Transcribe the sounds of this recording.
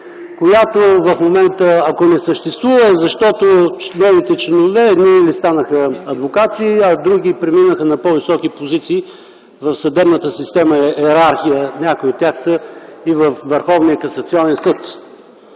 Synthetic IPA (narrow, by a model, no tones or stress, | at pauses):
kojat̪ovɐfmomɛnt̪əɐkonɛsəʃt̪ɛst̪vuvəɛzɐʃt̪ɔt̪onɛvit̪ɛt͡ʃlɛnovɛːd̪nilist̪anəxəɐd̪vokat̪iɐd̪ɾuɡipɾɛminəxənɐpɔvisɔkipozit̪siː | vɐfsɐd̪ɛbnət̪əsist̪ɛməɛɛɾaɾxijənʲakojiot̪ːʲjaxsəivɐfvəɾxɔvnijəkɐsɐt̪siɔnɛnsɤt̪